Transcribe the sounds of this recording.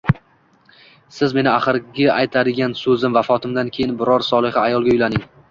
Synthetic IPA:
sɪzme̞nɪaχɨɾɡʲɪʔajt̪ʰad̪ɪɡʲansɵzɪmvafɒt̪ʰɪmd̪ankʲʰe̞jɪnbɪɾɒɾsɒlˠɪhɪajɒlˠɡʲaʊjlanɪŋ

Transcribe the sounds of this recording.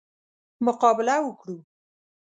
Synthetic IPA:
mʊqɑbɪlawəkɽu

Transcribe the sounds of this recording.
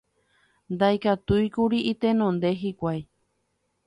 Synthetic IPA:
nd̪ajkat̪ujkuɾiʔit̪enõnd̪eɦikʷaj

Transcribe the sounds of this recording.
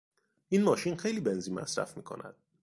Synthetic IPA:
ʔiːnmɒːʃiːnxejliːbe̞nziːnmæ̰sɾæ̰fmiːkʰo̰nʔæ̰d̪̥̚

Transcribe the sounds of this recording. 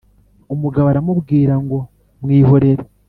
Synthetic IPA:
umuɡaβaɾamuβɡiːɾaŋɡo̞ | mŋiːho̞ɾe̞ɾe

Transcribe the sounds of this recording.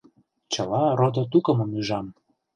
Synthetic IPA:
t͡ɕəlɑɾod̪ɤ̆t̪ukə̆mɤ̆myʒɑm

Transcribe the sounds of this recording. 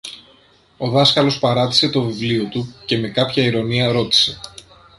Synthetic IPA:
o̞ðɐskɐlo̞spɐɾɐt̪i̥se̞t̪o̞vivlio̞t̪uce̞me̞kɐpçɐiɾo̞niɐɾo̞t̪i̥se̞

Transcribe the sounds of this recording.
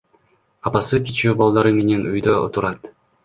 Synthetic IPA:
ɑpɑsɯkʲit͡ʃuːbɑlˠd̪ɑɾɯmenenujd̪oʔo̰t̪uɾɑt̪

